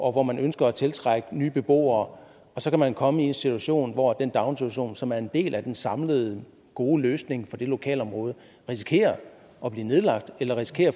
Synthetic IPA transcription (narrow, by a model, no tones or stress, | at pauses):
ɒ̽ʋɒmænʔønsɡ̥ɐːt͡sʰe̝lt͡sʰʁaɡ̥ənyːb̥e̝b̥o̝̰ːɐː | ɒ̽sɒ̽kʰæmænkʰɒ̽məie̝nsit͡sʰuæɕo̝̰ːnʋɒd̥end̥ɑ̈ʊnsit͡sʰæɕo̝̰ːnsɒ̽mæɐe̝nd̥e̝̰ːlʔæd̥ensɑ̈mləð̞ˠ | ɡ̥o̝ːløːsne̝ŋfɒ̽d̥e̝lo̝kʰɛ̰ːlɒ̽mʁɔ̽ːð̞ˠ | ʁisi̥kʰe̝̰ːɐ | ɒ̽b̥liːne̝ð̞ˠlɑ̈ɡ̥̚d̥elɐʁisi̥kʰe̝̰ːɐ